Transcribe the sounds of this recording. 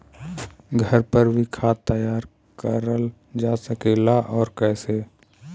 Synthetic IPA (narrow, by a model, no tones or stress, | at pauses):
ɡʱəɾpəɾbʱikʰaːt̪əjaːɾ | kəɾəl | d͡ʒaːsəkeːlaʔɔːɾkɛːseː